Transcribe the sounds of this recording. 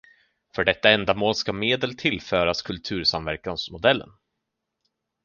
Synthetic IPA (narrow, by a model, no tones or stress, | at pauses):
fœɖɛt̪ːaɛnd̪amoːlskameːd̪əlt̪ʰɪlːfœːɾaskʰɵlt̪ʰʉ̟ːɾsamvæɾkansmʊd̪ɛlːə̰n